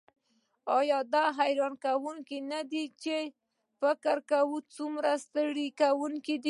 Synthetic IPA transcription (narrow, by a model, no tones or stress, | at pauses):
ɑjɑd̪ɑɦajɾɑnkawuŋkinad̪it͡ʃe | fɪkɪɾkawut͡sumɾast̪əɽikawuŋkid̪i